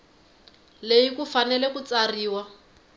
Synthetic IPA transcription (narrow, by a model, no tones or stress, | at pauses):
lejikufanɛlɛkut͡sariːwa